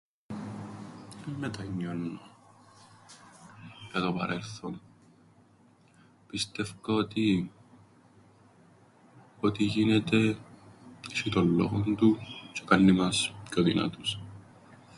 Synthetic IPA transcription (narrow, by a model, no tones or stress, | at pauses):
mːet̪ɐɲːonːo | jɐt̪opɐɾelθo̞n | pist̪e̞fkɐot̪i | ot̪iʝinet̪e̞ | sit̪o̞lːo̰ɣond̪ut͡ʃekɐnːimɐskoðḭnɐ̰t̪us